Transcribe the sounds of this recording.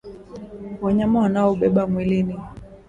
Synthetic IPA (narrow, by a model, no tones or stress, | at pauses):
waɲamawanaɔɓɛɓamwilini